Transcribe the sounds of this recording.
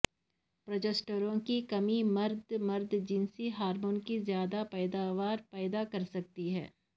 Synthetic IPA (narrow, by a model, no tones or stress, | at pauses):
pɾoːd͡ʒesʈəɾõkikɐmimɐɾd̪mɐɾd̪d͡ʒɪnsiɦaːɾmoːnkizjaːd̪apɛːd̪aʋaːɾpɛːd̪akɐɾsɐk̚t̪iɦɛ̰ː